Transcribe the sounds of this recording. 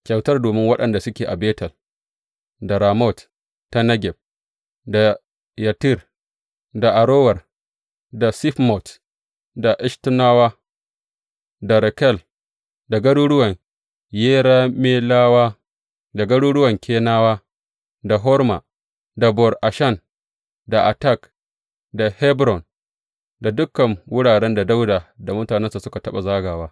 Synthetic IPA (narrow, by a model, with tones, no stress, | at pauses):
kʲa˨wtɐ˦rdoː˨mɪ˦ŋwɐ˦ɗɐ˨nda˨sʊ˦kʲeː˨ʔa˨beː˦tɐ˨l | da˨ɾaː˨mɔ˦˨t | ta˦nɐ˦ɡʲɛ˨b̚ | da˨ | ja˨tɪ˦˨r | da˨ʔa˨ɾoː˦wɐ˨r | da˨si˦fmɔ˨t | da˨ʔɪ˦ʃtɪ˦naː˦waː˦ | da˨ɾɛ˨kɛ˦˨l | da˨ɡɐ˦ɽuː˦ɽʊ˦wɐ˨ŋ | jeː˦ɾaː˦meː˦laː˦waː˦ | da˨ɡɐ˦ɽuː˦ɽʊ˦wɐ˨ŋkʲeː˦naː˦waː˦ | da˨ɦɔ˦ɾma̰˨ | da˨bɔ˨rʔa˨ʃɐ˦˨n | da˨ʔa˨ta˦˨k | da˨hɛ˦bɾɔ˨n | da˨dʊ˦kːɐ˨ŋwʊ˦ɽaː˨ɽɛ˦nda˨da˦wda˨da˨mʊ˦taː˨nɛ˦nsa˨sʊ˦ka˨tɐ˦ɓa˨zaː˦ɡaː˨waː˦